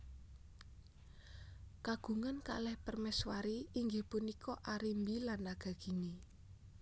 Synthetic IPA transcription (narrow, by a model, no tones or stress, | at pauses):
kaɡ̥ṳŋanka̰lɛhpərmɛswaɾiiŋɡehpunikʰɔʔaɾimbilanːaɡ̥a̤ɡ̥i̤ni